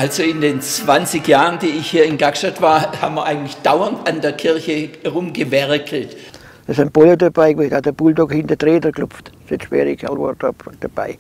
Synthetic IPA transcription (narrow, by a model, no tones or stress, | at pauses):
ʔalsoɪndeːnt͡sv̥ant͡sɪçjaːʁənd̥iːɪçhiːɐɪnɡakʃtatv̥aːɐhaːbmiɐʔaɪɡŋ̩tlɪçd̥aʊɐntandeːɐkʰɪɐçəʁʊmɡəvɛʁkʰl̩t | əsanb̥ɔlodɐb̥aɪɡidhɑtəb̥uldɔkhɪnd̥ətʁeːdəklʊpp͡ftsɛʃʋɛ̰ːɾikalʋɔ̰d̥ɔpd̥ɐb̥a̰ɪ